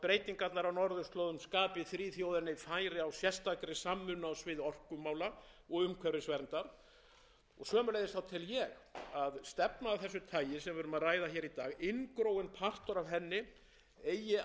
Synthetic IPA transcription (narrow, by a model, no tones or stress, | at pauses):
pɾeːjt̪iŋkat̪naɾawnɔɾðʏst̪loːwðʏmskaːpɪθɾiːθjoːwðʏɾnɪfajɾɪawsjɛst̪akɾɪsamːʏnawsvɪðɔr̥kʏmːaːwla | ɔɣʏmkʰɛɾɪsvɛɾnt̪aɾ̥ | ɔɣsœːmʏlejðɪst̪θawt̪ʰɪljɛɣaðst̪ɛpnaːvθɛsːʏt̪ʰaːjɪsɛmvʏːɾʏmaðraːjðaçɛːɾit̪aːɣɪnkɾowɪnpʰar̥t̪ɔɾavɦɛnːɪ | ejɪ